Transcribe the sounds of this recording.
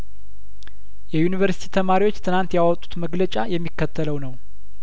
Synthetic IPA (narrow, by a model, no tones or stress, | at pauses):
jɛjunivəɾsi̥t̪ʰit̪ʰəmaɾiwo̞t͡ʃːt̪ʰɨnant̪jawɔt̪ʼːu̥t̪məɡlət͡ʃʼajɛmːikːət̪ʰːələwnəw